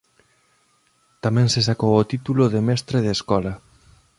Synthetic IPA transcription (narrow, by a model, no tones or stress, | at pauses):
t̪amɛ̃ŋses̬akowot̪it̪ulʊðemɛst̪ɾeð̞eskɔlɐ